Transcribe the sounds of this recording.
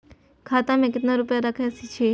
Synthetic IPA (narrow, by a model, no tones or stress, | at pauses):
kʰat̪ãmẽk̬ɪt̪naɾupjaɾakʰjasit͡ʃʰe